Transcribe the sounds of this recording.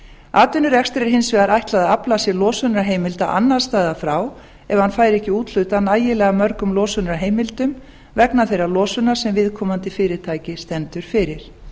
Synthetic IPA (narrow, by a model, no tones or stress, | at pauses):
aːt̪ʏnːʏɾɛkst̪ɾɛɾ̥hɪnsvɛɣaɾajht̪laðaaplasjɛɾlɔːsʏnɾaɦeːjmɪlt̪a̰ʔa̰nːḁst̪aːjðafɾaːw | ɛvahanfaːjɾɛhcɪuːt̪l̥ʏt̪anaːjɪlɛːɣamœɾkʏmlɔːsʏnɾaɦeːjmɪlt̪ʏm | vɛknaθejɾalɔːsʏnḁsɛmvɪðkʰɔːmant̪ɪfɪːɾɪ̥t̪ʰaːjcɪst̪ɛnt̪ʏɾ̥fɪɾɪɾ̥